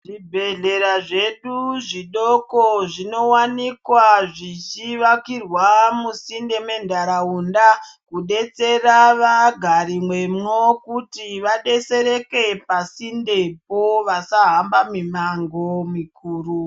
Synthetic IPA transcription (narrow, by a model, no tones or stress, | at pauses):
ʐibʱe̞ɮe̞ɾaʐe̞ɗuʐiɗokoʐino̞wanikwaʐit͡ʃiʋakirwamusinde̞me̞ndʱaɾaundakuɗe̞t͡se̞raʋaɡʱaɾimwe̞mŋokutiʋaɗe̞se̞ɾe̞ke̞pasindepoʋasaɦambamimaŋɡomikʰuːru